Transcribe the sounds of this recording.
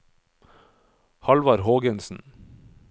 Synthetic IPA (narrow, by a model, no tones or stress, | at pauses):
hɑlʋɑɾhoːɡənsn̩